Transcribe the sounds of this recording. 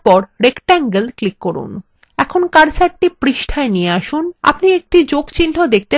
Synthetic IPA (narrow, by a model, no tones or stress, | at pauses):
pɔɾɾekʈaŋɡelklikːoɾṵn | ɛkʰonkaɾsaʈʈipɾiʃʈʰaenieaʃuna̰pniek̚ʈid͡ʑoɡt͡ɕinʈʰod̪ek̚ʰt̪e